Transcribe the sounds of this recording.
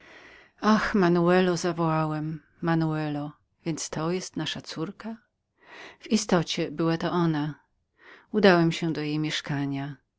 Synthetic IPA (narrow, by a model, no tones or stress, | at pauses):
axmanuɛlɔzavɔwawɛmː | anuɛlɔ | vʲjɛnt̪st̪ɔjɛst̪naʂat̪suɾka | v̥ist̪ɔt͡ɕɛbɘwat̪ɔʔɔna | ud̪awɛmɕɛd̪ɔjejmʲjɛʂkaɲa